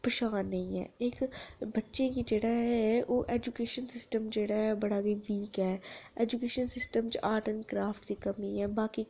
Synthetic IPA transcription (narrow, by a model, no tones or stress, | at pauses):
pəʃaːnːə̃ĩɛ̰ːeːkbətːʃẽːkiːd͡ʒeːɽaːɦɛɛoːʔɛːd͡ʒukeːʃənsɪsʈəmd͡ʒeːɽaɛbəɽaːɡiːʋiːkɛːɛːd͡ʒukeːʃənsɪsʈəmt͡ʃaːʈənkɾaːfʰʈd̪iːkəmiːɛːbaːkiː